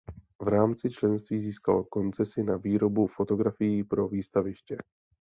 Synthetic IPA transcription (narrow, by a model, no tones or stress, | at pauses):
vɾaːmt͡sɪt͡ʃlɛnst̪viːziːska̰lko̞nt͡sɛsɪnaviːɾo̞bufo̞t̪o̞ɡɾafɪjɪpɾo̞viːst̪avɪʃcɛ